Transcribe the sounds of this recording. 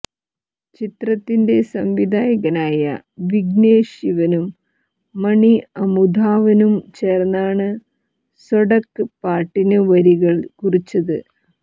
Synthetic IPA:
t͡ɕit̪rɐt̪ːinde̞sɐmʋid̪ʱaːjɐɣɐnaːjɐ̰ | ʋiɡneːɕiʋɐnumː | ɐɳiɐmud̪ʱaːʋɐnumt͡ɕeːrɐnːaːɳɨ | soɽɐkːɨpaːʈːinɨʋɐɾiɣɐɭkurit͡ɕːɐðɨ

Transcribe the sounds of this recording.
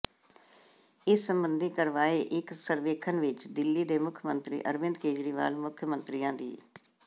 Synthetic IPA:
ɪsːəmbənd̪iːkəɾʋaːeːʔɪksəɾʋeːkʰənʋɪt͡ʃd̪ɪlːiːd̪eːmʊkʰjəmənt̪ɾḭːʔəɾʋɪ̃nd̪keːd͡ʒɾiːʋa̰ːlmʊkʰjəmənt̪ɾiːãːd̪ḭː

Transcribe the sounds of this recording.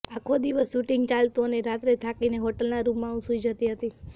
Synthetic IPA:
akʰod̪iʋəsːuʈiŋɡt͡ʃalt̪oneɾat̪ɾet̪ʰakineɦɔʈəlnaɾumːãũsuid͡ʒət̪iɦət̪i

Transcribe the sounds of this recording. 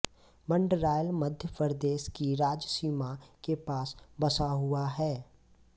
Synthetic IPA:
mə̃ɳɖɾaːjəlməd̪ʱjəpəɾd̪eːʃkiɾaːd͡ʒsiːmakepaːsbɐsaɦʊaɦɛː

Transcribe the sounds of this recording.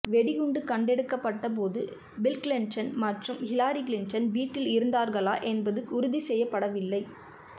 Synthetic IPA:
ʋɛɽɪɣʊɳɖɯkɐɳɖɛɽɯkːɐpːɐʈːɐp̬oːðɯ | bɪlklɪɳt͡ʃɐnmɐʈrɯmhɪlaːɾiklɪnt͡ʃɐnʋiːʈːɪlɪɾɯnd̪aːɾɣɐɭaːʔɛnbɐðɯʊɾʊðisɛjːɐpːɐɽɐʋɪlːɐɪ

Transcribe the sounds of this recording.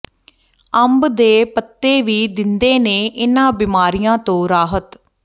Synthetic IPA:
əmbd̪eːpət̪ːeːʋiːd̪ɪnd̪eːneːʔɪnãːbiːmaːɾijãːt̪õːɾaːɦət̪

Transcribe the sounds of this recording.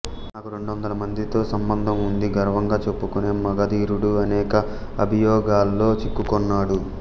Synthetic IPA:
naːkuɾe̞ɳɖuʋɐnd̪ɐlɐmɐnd̪it̪o̞ːsɐmbɐnd̪ʱɐmund̪iɡɐɾɐʋɐŋɡaːt͡ʃepːukuneːmɐɡɐd̪iːɾuɽuɐnɛːkɐ | ɐbʱijɔːɡaːlːo̞ːt͡ʃikːukɔnːaːɽu

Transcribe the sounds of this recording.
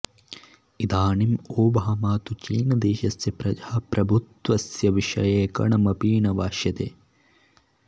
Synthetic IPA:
id̪aːnimoːbɐɐmaːt̪ut͡ʃiːnɐd̪eːʃɐsjɐpɾɐd͡ʒaːpɾɐbʱut̪ʋɐsjɐʋiʃɐ̰jeːkɐ̰ɳɐmɐpiːnɐʋaːʃjɐt̪ḛː

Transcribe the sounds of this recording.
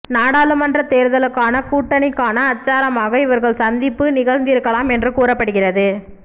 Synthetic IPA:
naːɽaːlɯmɐndrɐt̪eːɾɯðɐlɯkːaːnɐkuːʈːɐɳɪkːaːnɐːt͡ʃːaːɾɐmaːɣɐɪʋɐɾɣɐɭsɐnd̪ɪpːɯnɪɣɐɻnd̪ɪjɪɾɯkːɐɭaːmɛndrɯkuːrɐpːɐɽɯɣɪrɐðɯ

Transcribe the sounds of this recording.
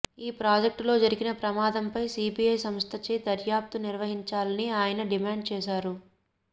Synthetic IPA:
iːpɾaːd͡ʒek̚ʈlo̞ːd͡ʒɐɾiɡinɐpɾɐmaːd̪ɐmpɐjsiːbijɐjsɐmst̪ʰɐt͡ʃeːd̪ɐɾjaːp̚t̪uniɾʋɐɦiɲt͡ʃaːlɐniaːjɐnɐɖimaːɳɖ̚t͡ʃɛːʃaːɾu

